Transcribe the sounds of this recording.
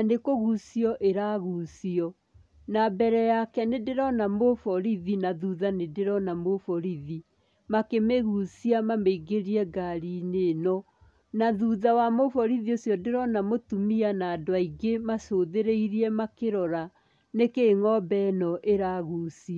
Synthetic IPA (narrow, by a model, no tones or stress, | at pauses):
anekoɣusiɔʔeɾaɣusiɔ | nabɛɾɛjakɛnedeɾɔnamofɔɾiðinaðuðanedeɾɔnamofɔɾiði | makemeɣusiamameiɡeɾiɛɡaɾinenɔ | naðuðawamofɔɾiðiosjɔdeɾɔnamotumianaːdwaiɡemasoðeɾeiɾiɛmakeɾɔɾa | nekeːŋɔbɛnɔʔeɾaɣusiɔ